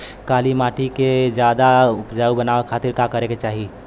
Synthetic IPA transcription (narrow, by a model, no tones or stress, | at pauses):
kalimaʈiked͡ʒjad̪aʊpd͡ʒaubənaʋekʰat̪iɾkakəɾeket͡ʃaɦi